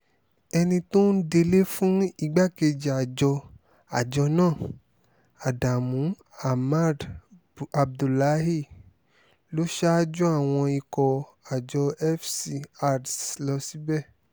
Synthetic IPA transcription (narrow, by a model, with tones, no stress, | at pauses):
ɛ˧nĩ˧to˦n̩˦de˧le˦fũ˦i˦˧˨ɡ͡ba˦ke˧d͡ʒi˨a˨d͡ʒɔ˧ | a˨d͡ʒɔ˧nãː˦˨ | a˨da˨mũ˨˦ | a˨ma˦˨d | a˨b̚du˨la˨˦ɦi˦˨ | lo˦ʃa˦d͡ʒu˦a˦˨w̃ɔ̃˧i˧kɔ˧ | a˨d͡ʒɔ˧ɛ˦fsi˧a˦˨dlɔ˧si˨˦bɛ˦˨